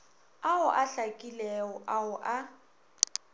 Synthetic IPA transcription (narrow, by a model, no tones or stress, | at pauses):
aʊʔaɬakʼilɛʊʔaʊʔa